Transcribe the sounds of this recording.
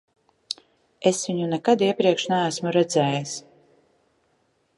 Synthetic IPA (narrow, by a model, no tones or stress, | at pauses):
esvʲiɲunɛkad̪iɛpɾiɛkʃnææsmuɾɛd̪zɛːjɛs